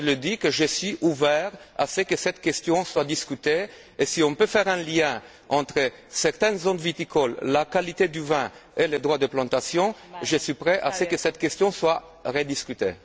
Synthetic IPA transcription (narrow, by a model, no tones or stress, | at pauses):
ləd̪ikəʒəsɥiʔuvɛʁa̰səkəsɛt̪kʲɛst̪jɔ̃swad̪iskyt̪e | esiɔ̃pøfɛʁɛ̃ljɛ̃ | ɑ̃t̪χə | sɛʁt̪ɛnzõnd̪vit̪ikʰɔlːakalit̪ed̪yvɛ̃eled̪ʁwad̪əplɑ̃t̪asjɔ̃ʒəsɥipχɛʔasəkəsɛt̪kʲɛst̪jɔ̃swa | ʁed̪iskʲyt̪ḛ